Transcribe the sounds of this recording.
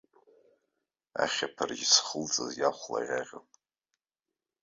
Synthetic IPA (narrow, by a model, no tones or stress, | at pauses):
aχʲapʰarɡʲisχəlt͡sʼazjaχʷla̰ʁʲaʁʲəm